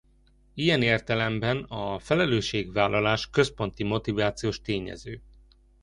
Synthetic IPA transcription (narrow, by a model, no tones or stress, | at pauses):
ijɛneːrt̪ɛlɛmbɛnɒfɛlɛløːʃːeːɡvaːlːɒlaːʃkøspo̞nt̪imo̞t̪ivaːt̪sijoːʃt̪eːɲɛ̰zøː